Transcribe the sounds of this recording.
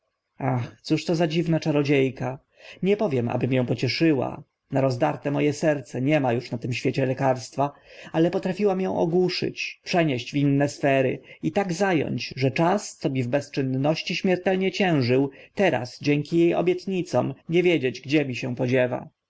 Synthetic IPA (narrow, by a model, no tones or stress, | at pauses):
axt̪suʂt̪ɔzad͡ʑivnat͡ʂaɾɔd͡ʑejka | ɲɛpɔvʲjɛma̰bɘmjɛ̃w̃pɔt͡ɕɛʂɘwa̰ | naɾɔzd̪aɾt̪ɛmɔjɛsɛɾt̪sɛɲɛmajuʂnat̪ɘmɕfʲjet͡ɕɛlɛkaɾst̪faalɛpɔt̪ɾafʲiwamjɔ̃w̃ʔɔ̰ɡwuʂɘ̰t͡ɕpʂɛɲeɕd͡ʑvinːɛsfɛɾɘ̰it̪aɡzajɔ̰ɲt͡ɕʐɛt͡ʂast̪sɔmʲivbɛst͡ʂɘnːɔɕt͡ɕiɕmʲɛɾt̪ɛlɲɛt͡ɕɛ̃w̃ʐɘwt̪ɛɾa̰sd͡ʑɛŋkʲijejɔ̰bʲjɛt̪ɲit̪sɔ̰̃mɲɛvʲjed͡ʑed͡ʑɡd͡ʑɛmʲiɕɛwpɔd͡ʑɛva̰